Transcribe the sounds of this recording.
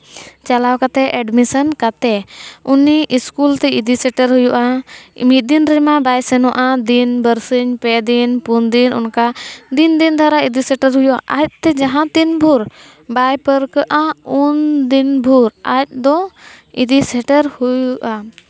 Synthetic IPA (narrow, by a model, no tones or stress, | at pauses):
t͡ʃalawkat̪ɛʔɛɖmisənkat̪ɛuniʔiskult̪ɛid̪isɛʈəɾɦujuʔamit̪̚d̪inɾɛmabajsɛnɔʔad̪inbəɾsəɲpɛd̪inpund̪inʔṵnkad̪ind̪ind̪ʱaɾaid̪isɛʈəɾɦujuʔa̰ʔac̚t̪ɛd͡ʒaɦãt̪inbʱuɾ | bajpəɾkəʔaund̪inbʱuɾac̚d̪ɔ | id̪isɛʈəɾhujuʔa